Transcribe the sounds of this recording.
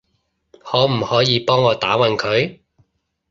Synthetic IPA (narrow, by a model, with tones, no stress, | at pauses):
hɔː˨˥m̩˨˩hɔː˨˥jiː˨˧pɔː˥ŋːɔː˨˧t̪aː˨˥wɐ˨nkʰɵ˨˧ɥ